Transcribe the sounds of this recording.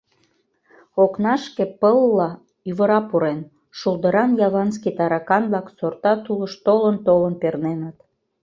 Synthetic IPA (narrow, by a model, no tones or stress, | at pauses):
oknɑʃkepəlːɑ | yβəɾɑpuɾen | ʃulˠd̪əɾɑnjɑβɑnskit̪ɑɾɑkɑnblɑksort̪ɑt̪uləʃt̪olənt̪olənpernenət̪